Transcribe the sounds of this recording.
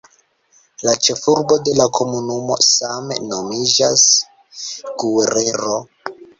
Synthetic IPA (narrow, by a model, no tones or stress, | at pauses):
lat͡ʃe̞fuɾbo̞de̞lakʰo̞munumo̞̰samḛno̞mid͡ʒas | ɡueɾe̞ɾo̞